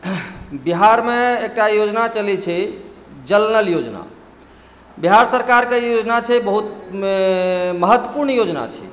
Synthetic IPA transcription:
biɦaɾmeek̚ʈajod͡ʒnat͡ʃəlit͡ʃʰɛ | d͡ʒəlnəljod͡ʒna̰ | biɦaɾsəɾkaɾkejod͡ʒnat͡ʃʰɛbəɦut̪̚ | məɦət̪wəpuɾɳjod͡ʒna̰t͡ʃʰɛ̰

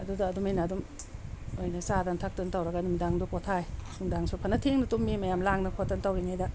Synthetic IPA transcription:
ɐdudɐːdumejnaːdum | ojnɐsadantʰak̚tɐntawɾɐɡɐnumidaŋdukotʰajsuŋdaŋsʰupʰɐnɐtʰeŋnɐtumːimɐjamlaŋnɐkʰotɐntawɾiŋajdɐ

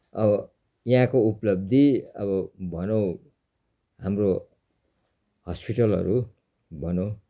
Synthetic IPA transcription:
ʌbʌ | jɦãkouplʌb̚d̪ʱiʌ̰βʌbʱʌnʌw̃ | ɦamro | hʌspiʈʌlʌ̰ɾu | bʱʌnʌw̃

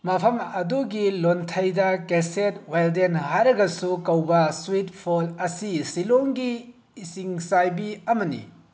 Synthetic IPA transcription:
mɐpʰɐmɐduɡilontʰɐjdɐkeset̚wajldenhajɾɐɡɐsukɐwbɐswitpʰolɐsisiloŋɡiː | siŋsajbiɐmɐnḭ

